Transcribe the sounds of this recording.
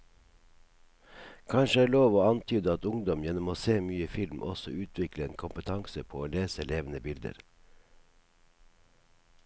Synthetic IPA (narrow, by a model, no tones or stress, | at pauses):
kʰɑnʃəæːɭoːʋoːɑnt̪ʰyːd̪əɑt̪ʊŋd̪ɔmjɛnɔmoːseːmyːəfɪlmʔɔsɔ̰ʉːt̪ʰʋɪkləeːnkʰʊmpət̪ʰɑŋsəpʰoːoːleːsəleːʋn̩əbɪld̪ə̰ɾ